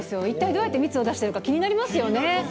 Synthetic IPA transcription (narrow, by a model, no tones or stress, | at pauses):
esɨjo̞it̪ːaid̪o̞ːjat̪ːemʲit͡sɨo̞d̪aɕi̥eɾɯ̟kakʲiɲ̟inaɾʲimasɨjo̞ne̞